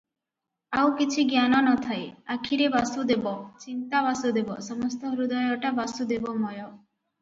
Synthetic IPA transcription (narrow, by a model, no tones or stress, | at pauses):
awkit͡ʃʰiɡjanɔnɔt̪ʰaeakʰiɾebasud̪ebɔt͡ɕint̪aβasud̪ebɔ̰sɔmɔst̪ɔɦɾud̪ɔjɔʈabasud̪ebɔmɔjɔ